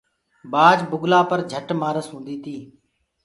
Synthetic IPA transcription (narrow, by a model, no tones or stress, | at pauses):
baːd͡ʒbʊɡlaːpəɾd͡ʒʱəʈmaːɾəsɦũːnd̪iːt̪ʰiː